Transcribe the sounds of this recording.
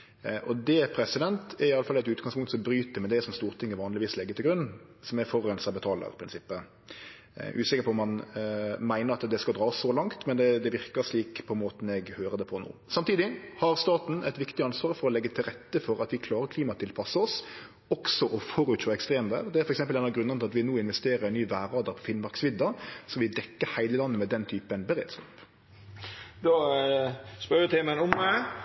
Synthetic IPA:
ʔɔd̪ɛpʰɾɛsɪd̪ɛnt̪ɛɾɪɑlːəfɑlːæɪt̪ʉːt̪̚ɡɑŋspʊŋt̪sɔmbɾyːt̪əmɛd̪ɛsɔmst̪uːɾt̪ʰɪŋːəʋɑːnlɪʋiːslɛɡːət̪ʰɪlɡɾʉnːsɔmɛɾfɔʁɛnsəɑbət̪ʰɑːlə̰ɾɪpʰɾɪnsɪpːə | ʔʉ̰ːsɪkəpʰɔɔmɑnmæɪnəɾɑt̪d̪ɛskɑd̪ɾɑːsːɔlɑŋt̪mɛnd̪ɛd̪ɛʋɪɾkəʂliːkpʰɔɛnmoːt̪n̩ɛɡhøːɾəd̪ɛpʰɔno̰ːsɑmt̪iːd̪ɪhɑɾst̪ɑːt̪n̩ɛt̪ʋɪkt̪ɪɑnsʋɑːɾfɔɾɔlɛɡːət̪ʰɪlʁɛt̪ːəfɔɾɑt̪ʋɪkʰlɑːɾəɾkʰliːmɑt̪ʰɪlpʰɑsːəɔs | ɔksɔʔɔfɔːɾʉːt̪ʃɔɛkst̪ʁeːmʋæ̰ːʁd̪ɛæɾfɔɾɛksɛmpəlɛːnɑʋɡɾʉnənʰɪlɑt̪ʋɪnoːɪnʋɛst̪eːɾəɾɛnnyːʋæːɾɑːd̪əɾpʰɔfɪnmɑɾksʋɪd̪ːɑsɔʋɪd̪ɛkːəɾhæɪləlɑnːəmɛd̪ɛnt̪ʰyːpənbəɾḛːd̪skɑːp | d̪ɔ | spœɾɪt̪ʰeːmənʊmɛ

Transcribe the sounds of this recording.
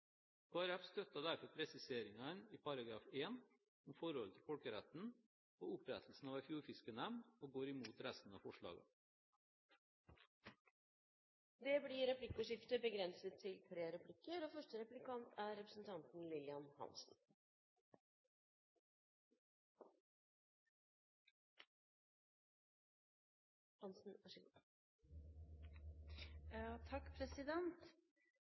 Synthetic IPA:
kʰoːæɾɛfst̪œt̪ɑd̪æɾfɔɾpʰɾɛsɪseːɾɪŋɑniːpɑɾɑɡɾɑːfeːn | ɔmfɔɾhɔlt̪ʰɪlfɔlkəɾɛt̪n̩ | oːʊpɾɛt̪ʰl̩sn̩ɑːʋæɪfjuːɾfɪskənæmnoːɡoːɾɪmuːt̪ɾæst̪n̩ɑ̰ːfɔʂɭɑ̰ːɡə̰ | d̪eːbliːɾɛplɪkəʂɪft̪əbəɡɾɛnsət̪ʰːɪlt̪ʰɾeːɾɛpʰlɪkːəɾoːfœʂʈəɾɛplɪkɑnt̪ʰæːɾɛpɾəsn̩t̪ʰɑnt̪n̩lɪlɪɑnhɑ̰nsn̩ | ɑnsn̩ | ɑt̪ʰɑkːpʰɾɛsɪd̪ɛnt̪

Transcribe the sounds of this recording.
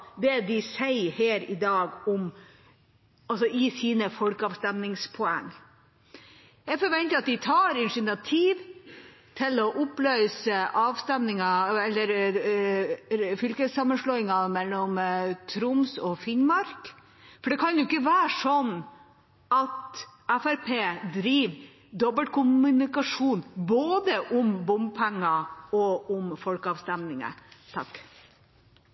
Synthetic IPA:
d̪ɛd̪ɪsæɪheːɾɪd̪ɑːɡɔm | ɑlsɔɪsiːnəfɔlkəɑːʋst̪ɛmnɪŋspʰɔæ̰ŋː | jæfɔɾʋɛnt̪əɑt̪̚d̪ɪt̪ʰɑːɾɪnʂɪnɑt̪ʰiːʋ | t̪ʰɪlɔʔʊpløʏsəʔɑːʋst̪ɛmnɪŋɑɛlːəɾ | fʏlkəsɑmːənʂlɔːɪŋɑmɛlːɔmt̪ʰɾʊmsɔfɪnmɑɾk | fɔɖɛkʰɑnjʊɪkːəʋæːʂɔnː | ʔɑt̪æfæɾpʰeːd̪ɾiːʋ | d̪ɔbəlt̪̚kʰʊmʉnɪkɑʂuːnboːd̪əʔʊmbʊmbpʰɛŋːɑɔʊmfɔlkəɑːʋst̪ɛmnɪŋə̰t̪ʰɑ̰k

